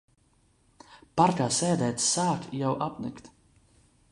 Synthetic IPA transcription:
paɾkaːsɛːd̪ɛːt̪saːkjawʔapnɨ̰kt̪

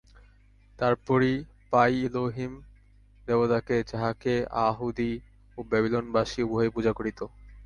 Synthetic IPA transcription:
t̪aɾpɔɾi | pajiloɦim | d̪ebot̪aked͡ʑaɦakea̰ɦud̪i | obɛbilonbaʃiuboɦepud͡ʑʱakoɾit̪o

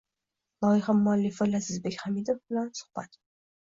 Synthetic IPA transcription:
lˠɒɪχamʊalːɪfalazɪzbe̞kʲχamid̪ofbɪlansʊ̥hb̥at̪

